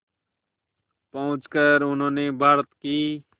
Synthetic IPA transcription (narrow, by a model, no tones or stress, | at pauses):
pəʊ̃t͡ʃkəɾʊn̤õːneːbʱaːɾət̪kiː